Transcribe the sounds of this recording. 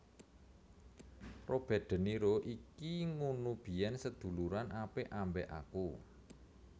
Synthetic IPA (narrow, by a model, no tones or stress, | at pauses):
rob̥ɛ̤ɖ̪̥ə̤niɾoʔikiŋunub̥i̤jɛnsəd̪̥ṳluɾanʔapeʔambɛʔa̰ku